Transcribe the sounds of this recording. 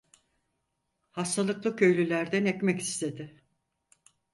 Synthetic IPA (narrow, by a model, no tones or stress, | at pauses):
hast̪ʰalˠɯklˠɯcʰø̞jlʲylʲæɾd̪ænɛcmɛci̥st̪ʰe̞d̪ɪ